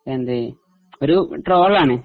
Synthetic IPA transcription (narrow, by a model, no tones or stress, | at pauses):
end̪ɨ | oɾuʈroːɭaːɳɨ